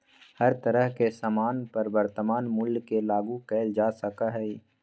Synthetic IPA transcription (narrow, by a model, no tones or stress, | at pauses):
hɐɾt̪əɾəɦkesaːmaːnpɐɾbəɾt̪əmaːnmʊlːkelaːɡũkɛːld͡ʒaːsɐkaɦɛi